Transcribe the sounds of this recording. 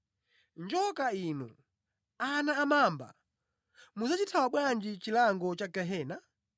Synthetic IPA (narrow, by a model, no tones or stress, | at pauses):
nd͡ʒɔkainu | anaːmaːmba̰ | muzat͡ʃitʰawaɓwand͡ʒit͡ʃilaŋɡɔt͡ʃaɡɛɦɛːna